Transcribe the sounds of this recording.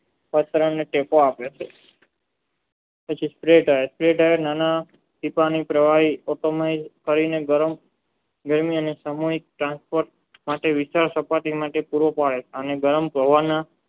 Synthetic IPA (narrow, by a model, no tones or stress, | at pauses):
pət̪ɾəɳːeʈekoapet͡ʃʰe | pət͡ʃʰispɾeɖaespɾeʈaenana | t̪ipanipɾəʋaɦiɔʈomaizkəɾineɡəɾəm | ɡəɾmiənesamuɦik̚ʈɾãnspoɾʈ̚ | maʈeʋɪst̪aɾsəpat̪imaʈepuɾʋopaɭet͡ʃʰeəneɡəɾəmpəʋana